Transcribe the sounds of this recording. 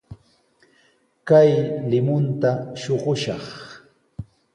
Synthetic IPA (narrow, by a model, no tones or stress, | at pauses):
kajlɪmʊnt̪aʃoɢʊʃɑχ